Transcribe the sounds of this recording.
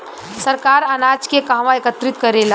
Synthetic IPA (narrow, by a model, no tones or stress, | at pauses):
səɾkaɾənad͡ʒkekaɦʋãekət̪ɾit̪kəɾela